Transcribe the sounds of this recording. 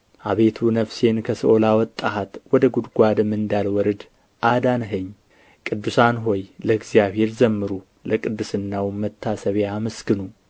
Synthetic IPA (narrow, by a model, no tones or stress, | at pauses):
ʔaβe̞t̪ʰunəfse̞nkʰəsʔolawɔt̪ʼːaɦat̪wɔd̪əɡud̪ɡʷad̪mːɨnd̪alwɔɾɨd̪ | ʔad̪anɦɨɲː | kʼɨd̪ːusanɦo̞jləɨɡzjaβhe̞ɾzəmːɨɾu | ləkʼɨd̪ːɨsɨnːawmət̪ʰːasəβjamɨskɨnu